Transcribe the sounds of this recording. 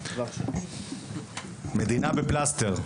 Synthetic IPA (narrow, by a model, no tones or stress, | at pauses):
mɛd̪inabeplasteʁ